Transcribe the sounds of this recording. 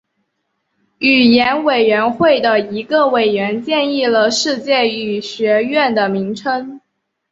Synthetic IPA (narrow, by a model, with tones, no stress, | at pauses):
y˨˩jɛ˧˥nwe˨˩ɪɥɛ˧˥nxwe˥˩ɪd̪ə˩i˧˥ɡə˧we˨˩ɪɥɛ˧˥nt͡ɕjɛ˥˧ni˥˩lə˩ʂɻ̩˥˧t͡ɕjɛ˥˩y˨˩ɕɥɛ˧˥ɥɛ˥˩nd̪ə˩mi˧˥ŋʈ͡ʂʰə˥ŋ